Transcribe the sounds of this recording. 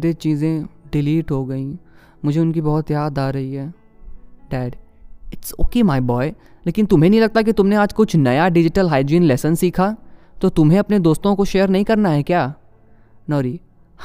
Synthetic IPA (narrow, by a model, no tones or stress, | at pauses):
ɾet͡ʃiːzẽɖɪliːʈɦoɡɐĩ | mʊd͡ʒʱeʊnkibɔɦʊt̪jaːd̪aːɾɐɦiɦɛː | ɖɛːɖ | ɪʈso̰ːkemaɪbɔːɪ | leːkɪnt̪ʊmɦẽnɐɦĩlɐɡ̚t̪ak̬it̪ʊmneaːd͡ʒkʊt͡ʃʰnɐjaɖɪd͡ʒɪʈəlɦaːɪɖd͡ʒĩːnlɛːsənsiːkʰat̪ot̪ʊmɦẽɐpned̪oːst̪õkoʃeːəɾnɐɦĩkɐɾnaɦɛkjaː | nɔːɾiː